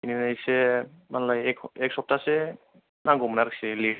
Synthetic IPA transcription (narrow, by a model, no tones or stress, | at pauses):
ininaisɛmanlaɛkʰɛksɔp̚taːsɛ | naɡɔmnaɾksɛli